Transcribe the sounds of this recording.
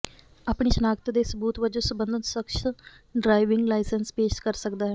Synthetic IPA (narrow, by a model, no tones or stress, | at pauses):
aːpɳiːʃənaːɡət̪d̪eːsəbuːt̪ʋəd͡ʒõsəbənd̪ʱənsəkʃ | ɖɾaːɪʋɪŋɡlaːɪsənspeːʃkəɾsəkd̪aːɦɛː